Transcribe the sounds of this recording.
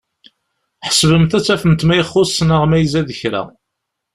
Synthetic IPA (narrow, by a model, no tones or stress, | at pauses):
ħə̥svəmθæt͡sːæfənt̪mæjəχːʊsːnəʁmæjzæðəçɾæ̰